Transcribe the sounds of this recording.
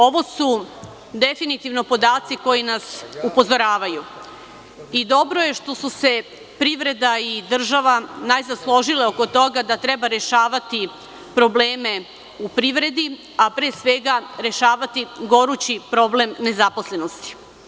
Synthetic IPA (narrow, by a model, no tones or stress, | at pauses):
o̞ʋo̞su | d̪e̞finit̪iʋno̞po̞d̪aːt̪siko̞jinasupo̞zo̞ɾaːʋaju | id̪o̞bɾo̞je̞ʃt̪o̞suse̞ | pɾiʋɾe̞d̪aid̪r̩ʒaʋanajzaslˠo̞ʒileo̞ko̞t̪o̞ɡad̪at̪ɾe̞baɾe̞ʃaːʋat̪i | pɾo̞bleːme̞ | upɾiʋɾe̞d̪i | apɾeːsʋeɡaɾe̞ʃaːʋat̪iɡo̞ɾut͡ɕipɾo̞blemne̞zapo̞sle̞no̞st̪i̥